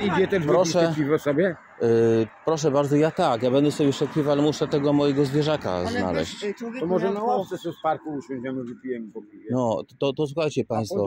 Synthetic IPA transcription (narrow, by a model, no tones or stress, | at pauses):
id͡ʑɛt̪ɛʃvpɾɾɔʂɛpʲivɛsɔbʲjɛ | pɾɔʂ̬ɛbaɾd̪zɔjat̪akjabɛnd̪ɛsɔbʲɛʂɛt̪̚pʲivalɛmuʂɛt̪ɛɡɔmɔjɛɡɔzvʲjɛʐaka̰zna̰lɛ̰ɕt͡ɕ̪ɔmɔʐɛnaɔsɛsɛfpaɾkuuɕʲɔ̃ʑɛnɔvipʲijɛmʲipɔpivʲɛnɔt̪ɔt̪ɔs̬uxajt͡ɕɛpaj̃st̪fɔ